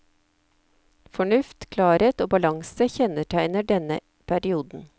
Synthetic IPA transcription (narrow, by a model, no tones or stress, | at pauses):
fɔɳʉft̪kʰlɑːɾeːt̪oːbɑlɑŋsəçɛnəʈʰæɪnəɖɛnə | pʰæɾɪuːd̪n̩